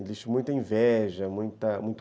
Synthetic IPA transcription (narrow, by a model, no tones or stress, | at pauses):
eliʃt͡ʃmũj̃t̪ɐẽvɛʒɐmũj̃t̪ɐmũj̃t̪